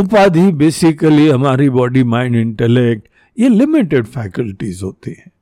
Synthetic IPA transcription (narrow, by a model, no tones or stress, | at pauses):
ʊpaːd̪ʱibeːsɪkəliɦɐmaːɾibɔːɖimaːɪ̃ɳɖɪ̃ɳʈɛlɛk̚ʈ | jelɪmɪʈeɖfɛːkəlʈizɦoːt̪iɦɛ̃ː